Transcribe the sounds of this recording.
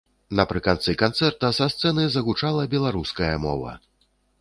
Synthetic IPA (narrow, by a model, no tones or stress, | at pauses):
nɐpɾɨkant̪sɨkant̪sɛrt̪ɐsast̪sɛnɨzɐɣut͡ʂalˠɐbʲɛlˠaɾuskɐjɐmɔ̰vɐ̰